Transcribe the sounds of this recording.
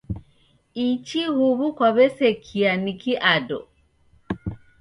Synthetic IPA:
it͡ʃihuβukwaβɛsɛkʰianikiʔadɔ̰

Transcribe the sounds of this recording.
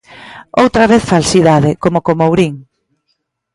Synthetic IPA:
owt̪ɾaβeθfalsiðaðɪkomokomowɾiŋ

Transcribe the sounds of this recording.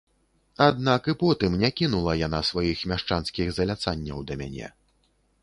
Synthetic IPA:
ad̪nakɨpɔt̪ɨmnʲakʲinulˠɐjan̪asvajixmʲaʂt͡ʂanskʲiɣzɐlʲat̪sanʲːɐ̰wd̪ɐmʲa̰nʲɛ̰

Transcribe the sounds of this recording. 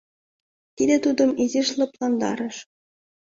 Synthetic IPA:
t̪ʲid̪ʲet̪ud̪ɤ̆mizʲiʃlˠɤ̆plˠɑnd̪ɑ̰ɾɤ̆ʃ

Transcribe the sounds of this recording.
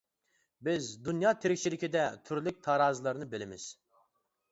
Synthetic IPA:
bizd̪ynjɑːt̪ʰiɾikʲt͡ʃʰilikʲʰid̪ɛt̪ʰyɾlʲyk̚ʲt̪ʰɑːɾɑːzlˠɑɾnɯbilʲɪmiz̥

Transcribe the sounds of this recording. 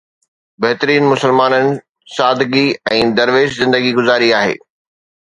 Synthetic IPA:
bɐɦt̪ɾiːnmʊsəlmaːnənɪ̆ | saːd̪ɡiɛ̃ːd̪ɐɾʋeːʃzɪ̃nd̪əɡiɡʊzaːɾiaːɦḛː

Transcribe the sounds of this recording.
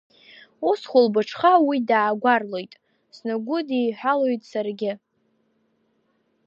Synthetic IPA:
usχʷʊlbɨʈ͡ʂʰχawidaːɡʷarlojtʼ | snɨɡʷʊdijħʷᶣalojtʼsarɡʲɪ

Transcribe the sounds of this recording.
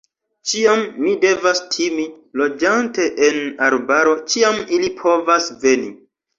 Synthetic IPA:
t͡ʃiamːide̞vastʰimi | lo̞d͡ʒante̞ʔenaɾbaɾo̞t͡ʃiamilipʰo̞vasve̞ni

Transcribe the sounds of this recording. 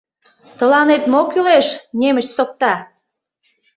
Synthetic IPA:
t̪ə̆lɑnet̪mokyleʃnemə̆t͡ɕsok̚t̪ɑ

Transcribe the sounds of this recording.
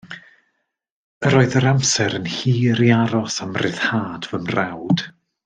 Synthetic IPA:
əɾoːɨðəɾamsɛɾənhiːɾiaɾɔsamrɪðhaːdvəmrawd̥

